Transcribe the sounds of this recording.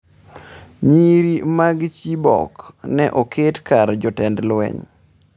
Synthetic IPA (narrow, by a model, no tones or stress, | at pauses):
ɲiɾimaɡt͡ʃibɔ̰knɛʔokʰetkaɾd͡ʒɔtɛndlwɛ̰ɲ